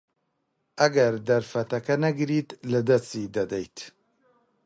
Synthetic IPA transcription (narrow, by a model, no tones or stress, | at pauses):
ʔɐɡɐɾd̪ɐɾfɐt̪ɐkɐnɐɡɨɾit̪lɨd̪ɐstid̪ɐd̪ɛjt̪ʰ